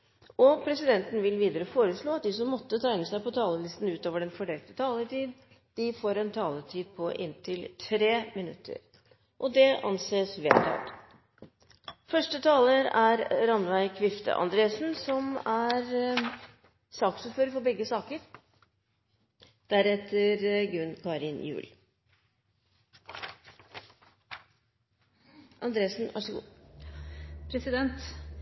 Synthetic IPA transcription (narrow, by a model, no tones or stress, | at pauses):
ɔpʰɾɛsɪd̪ɛnt̪n̩ʋɪlʋiːd̪əɾəfoːɾəsɭoːɑt̪̚d̪ɪsɔmːɔt̪ːət̪ʰæɪnəsæɪpɔt̪ʰɑːləlɪst̪n̩ʉːt̪oːʋəɖɛnfɔɖɛːlt̪ə̥t̪ʰɑːləʈiːd̪ | d̪̥ɪfoːɾɛnt̪ʰɑːlət̪ʰiːd̪̚pʰɔʔɪ̰nt̪ʰɪlt̪ʰɾeːmɪnʉ̰t̪ʰːə̰ɾ | ʔɔd̪ɛʔɑ̰nseːsʋḛːt̪ʰɑ̰ːd̪ | fœʂʈət̪ʰɑːləɾæɾɾɑnʋæɪkʰʋɪft̪ʰə̰ʔɑ̰nd̪ɾeːsn̩sɔmæɾ | sɑːksʉføːɾəfɔɾbɛɡːəsɑːkəɾ | d̪̥æɾɛt̪ʰːəɾɡɾʉnkʰɑɾɪnjʉ̰ːl | ʔɑnd̪ɾeːsnʋʔɑ̰ʂəɡṵː | pʰɾɛsɪd̪ɛnt̪